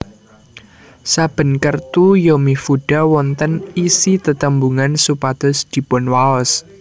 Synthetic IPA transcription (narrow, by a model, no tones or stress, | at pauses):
sab̥ə̤nkərt̪ujomifuɖ̥a̤wɔnt̪ənisit̪ət̪əmbuŋansupad̪̥ɔ̤sd̪̥i̤pɔnwaɔs